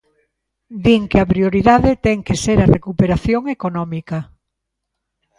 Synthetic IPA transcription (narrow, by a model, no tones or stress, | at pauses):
d̪iŋkeɐpɾioɾiðaðet̪ɛŋkeseɾɐrekupeɾaθjoŋekonɔmikɐ